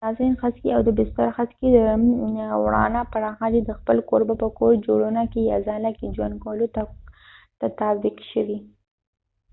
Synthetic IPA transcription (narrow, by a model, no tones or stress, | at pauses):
ɑzinxaskiawd̪əbɪst̪aɾxazked̪ə | wɽɑ̰napaɾɑxad̪ed̪əxpəlkoɾbapəkoɾd͡ʒoɽunakejɑzɑlaked͡ʒwa̰nd̪̚kɑlot̪a | t̪at̪abiqʃəwi